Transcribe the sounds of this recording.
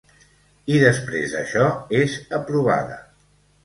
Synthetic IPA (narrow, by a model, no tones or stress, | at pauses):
iðəspɾḛzə̰ʃɔezəpɾuβ̞a̰ðə̰